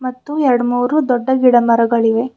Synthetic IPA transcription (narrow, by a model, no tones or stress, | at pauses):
mɐt̪ːuɛɾɐɽmuːɾud̪ɔɖːɐɡiɽɐmɐɾɐɡɐɭiʋe̞